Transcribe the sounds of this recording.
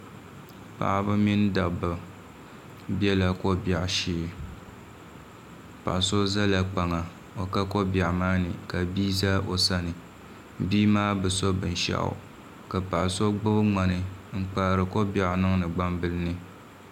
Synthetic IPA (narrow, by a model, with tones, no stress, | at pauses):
pa̰˨ʔbɨ˦mi˦n˦da˨ba˨ | bɛ˦la˨ko˦ba˨ʔʃiː˦ | pa̰˨ʔso˦za˦la˦k͡pa˨ŋa˨ | o˨ka˦ko˦bja˨ʔmaː˦nɨ˨ka˨biː˦za˦ʔo̰˨sa˦nɨ˨ | biː˦maː˦bɨ˨so˦bɨ˨n˨ʃa̰˦ʔʊ̰˨ | ka˨pa˨ʔso˦ɡ͡bɨ˦bɨ˦ŋ͡ma˨nɨ˨ŋ̩˦k͡paː˦˨ɾɨ˨ko˦ba˨ʔnɨ˦ŋnɨ˨ɡ͡ba˦mbɨ˦lɨ˦nɨ˦